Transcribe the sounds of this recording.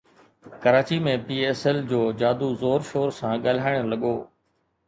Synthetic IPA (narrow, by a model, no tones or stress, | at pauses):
kɐɾaːt͡ɕimẽpiːeːsɛld͡ʑoːd͡ʑaːd̪uzoːɾʃoːɾsãːɠal̤aːɪɽ̃lɐɠoː